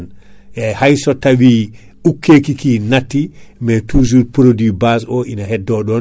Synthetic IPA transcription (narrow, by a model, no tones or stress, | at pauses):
njajhajsɔtawiː | ʔukʰːekikinatːimɛtʰuːzuɾpɾodibasɔʔinaɦɛdːɔɗɔn